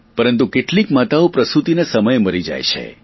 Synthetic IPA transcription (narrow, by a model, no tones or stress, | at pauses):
pəɾənt̪̬ukeʈlikmat̪aopɾəsut̪inesəməjməɾid͡ʒa̰jt͡ʃʰḛ